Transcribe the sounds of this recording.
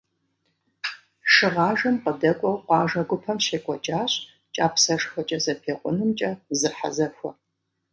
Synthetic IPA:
ʂɨʁɑːʒɐmqədɐkʷʼɔwqʷɑːʒɐɡʷʊpʰɐmʃeːkʷʼɔd͡ʒʼaːɕ | t͡ʃʼaːpsɐʂxʷɐt͡ʃʼɐzɐpʰeːqʷʼʊnɨmt͡ʃʼɐzɨħa̰zɐxʷɔ̰

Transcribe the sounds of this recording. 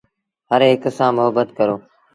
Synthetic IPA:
ɦəɾɦɪksãːmʊɦəbːət̪kəɾoː

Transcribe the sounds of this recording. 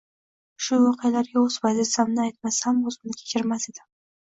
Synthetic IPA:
ʃʊwɒqɨjalaɾɡʲaɵz̥bazɪsamnɪajt̪̚masamozmnɪkʲʰe̥t͡ʃʰɪɾmased̪ɪ

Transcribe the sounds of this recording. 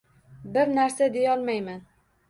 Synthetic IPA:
bɪɾnaɾsad̪e̞jɒlˠmajman

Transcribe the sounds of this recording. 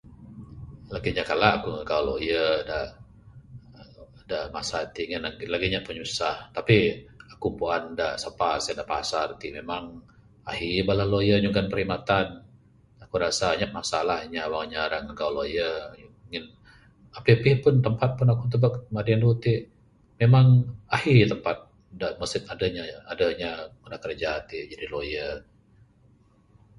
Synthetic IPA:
laɡiɲakalaʔakuŋəɡawloijəda | daʔmasat̪iŋɪnaɡlaɡiɲapəɲusaht̪apiakumpuandaʔsapasadaʔpasart̪imemaŋ | ahibalahlojəɲuŋɡanpəɾimat̪an | akuɾasaɲap̚masalahɲawaŋɲaɾaŋəɡawlojəuŋɪn | apipɪhpʊnt̪əmpat̪̚pʊnakut̪̬əbakmadiandut̪i | memaŋahit̪əmpat̪̚ | daʔməsɪk̪adəɲaadəɲakudakəɾd͡ʒat̪id͡ʒadilojə

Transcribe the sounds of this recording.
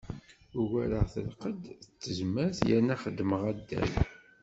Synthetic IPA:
ʊwæɾəʁθə̰lqəd̪ət͡sːəzmːæɾθjæ̰nːæχəd̪ːməʁæd̪ːæ̰l

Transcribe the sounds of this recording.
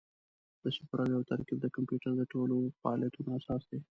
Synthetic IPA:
d̪̥əsɪpɾawjawt̪ɐɾkib̚d̪əkampjuʈəɾd̪əʈʰolofaɑljat̪unoasɑːsd̪e

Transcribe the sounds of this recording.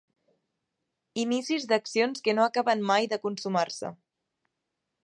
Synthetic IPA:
inisizd̪əksionskənoəkaβənmajðəkunsumaɾsə̰

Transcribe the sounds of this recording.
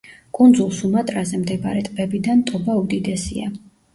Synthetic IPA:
kʼund̪zulˠsumat̪ʼɾazɛmd̪ɛbaɾɛt̪ʼbɛbid̪ant̪ʼɔbaud̪id̪ɛsḭa

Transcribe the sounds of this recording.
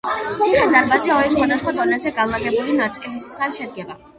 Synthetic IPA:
iχɛd̪aɾbazɛɔɾisχwad̪asχwad̪ɔnɛzɛɡalˠaɡɛbulinat̪sʼilisχɛɾiʃɛd̪̚ɡɛba

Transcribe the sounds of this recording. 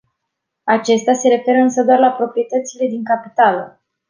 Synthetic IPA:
at͡ʃe̞st̪ease̞ɾe̞fe̞ɾəɨnsəd̪oarlapɾo̞pɾije̞t̪ət̪sile̞d̪iŋkapit̪alə

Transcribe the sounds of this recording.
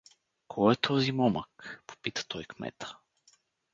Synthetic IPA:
kʰɔɛt̪ʰɔzimɔməkpo̥pit̪ə̥t̪ʰɔjkmɛ̰t̪ə̥

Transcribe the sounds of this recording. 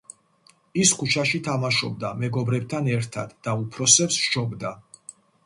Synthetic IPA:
iskʰut͡ʃʰaʃit̪ʰamaʃɔ̰b̚d̪amɛɡɔbɾɛb̚t̪ʰanɛɾt̪ʰa̰d̪̥ːaupʰɾɔsɛpsʃɔbd̪a

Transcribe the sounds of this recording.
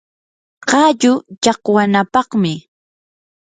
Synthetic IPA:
qɑʎʊt͡ʃɑqwanapɑχmɪ

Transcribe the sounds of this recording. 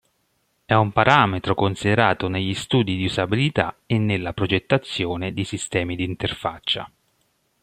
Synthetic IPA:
ɛumpaɾaːmet̪ɾokonsid̪eɾaːt̪oneʎːist̪uːd̪id̪iuzabilit̪a̰enːelːapɾod͡ʒet̪ːat̪sːjoːned̪isist̪ɛːmid̪iːnt̪erfa̰t͡ʃːa̰

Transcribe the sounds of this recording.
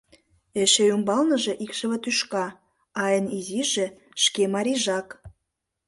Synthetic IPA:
eʃejumbɑlnəʒe̽ʔikʃə̆βə̆t̪yʃkɑ | ɑjəniziʒĕ | ʃkemɑɾʲiʒɑk

